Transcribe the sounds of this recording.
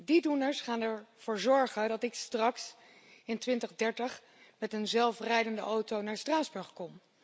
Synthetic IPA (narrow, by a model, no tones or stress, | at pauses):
didunəɹsχaːnɛɹv̥ʊːɹzɔɹχədɑtɪkstrɑks | ɪntʋɪntəχdɛɹtəχ | mɛtənzɛlˠfrɛjdəndə̰ʔowtownaːɹstraːzbɵɹχkɔm